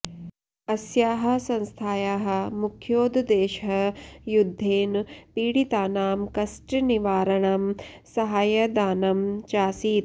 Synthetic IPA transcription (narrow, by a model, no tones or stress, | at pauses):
ɐsjaːɦɐ̆sɐ̃nst̪ʰaːjaːɦɐ̆mukʰjoːd̪d̪eːʃɦɐjud̪ʱːeːnpiːɽit̪aːnaːmkɐsʈniʋaːɾɐɳam | sɐɦaːjɐd̪aːnɐmt͡ʃaːsiːt̪̚